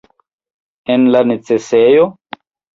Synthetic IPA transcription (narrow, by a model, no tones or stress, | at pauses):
ɛnlanet͡sesejo